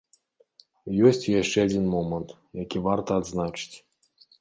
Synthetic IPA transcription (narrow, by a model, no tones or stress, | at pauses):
jɔsʲt͡sʲjaʂt͡ʂɛad͡zʲinmɔmənt̪ | jakʲivart̪ɐːd̪znat͡ʂɨ̥t͡sʲ